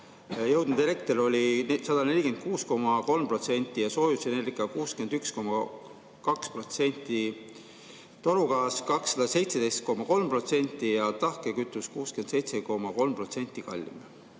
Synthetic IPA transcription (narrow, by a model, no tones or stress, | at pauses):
jɤwd̪̥nud̪eɾek̚t̪eɾo̞lʲisɑd̪̥ɑne̞lʲikend̪̚kuːsko̞mɑko̞lmpro̞t̪se̞nʲt̪ːˑijɑso̞ːjusenerikːˑɑkuːskend̪̥yksko̞mɑ | kɑkspro̞t̪se̞nʲt̪ːˑi | t̪o̞ɾuɡɑːskɑksːɑd̪̥ɑse̞jt̪se̞d̪e̞jst̪̚ko̞mːɑko̞lmpro̞t̪se̞nʲt̪ːˑijɑt̪ɑhkekyt̪ːˑuskuːske̞nd̪sejt̪se̞ko̞mɑko̞lmpro̞t̪se̞nʲt̪ːˑikɑ̰lʲːḭm